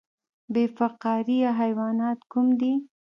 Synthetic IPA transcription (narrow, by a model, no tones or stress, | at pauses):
befaqɑɾiaɦajwɑnɑt̪kumd̪i